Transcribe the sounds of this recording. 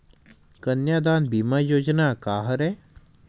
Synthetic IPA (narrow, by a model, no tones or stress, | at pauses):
kənjaːd̪aːnbiːmaːjoːd͡ʒnaːkaːɦəɾɛ